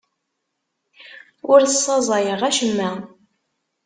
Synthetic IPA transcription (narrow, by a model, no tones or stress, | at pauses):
ʊɾθə̥sˤːɑzˤɑjəʁæʃəmːæ